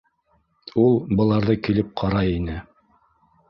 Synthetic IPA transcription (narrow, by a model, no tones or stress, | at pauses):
ulˠbɤ̆lˠɑɾðɤkilɘp̚qʰɑɾɑjinɘ